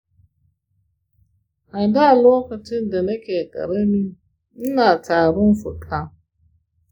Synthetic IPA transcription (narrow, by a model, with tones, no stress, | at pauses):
a˨n˨da˦a˨lo˦ka˨tɪ˦n˨de˨ne˦ke˨kʼa̰˨ɾe˦ni˦ | n̩˦na˨taː˨ɾʊ˦n̩˦fʊ˨tʰʼa˦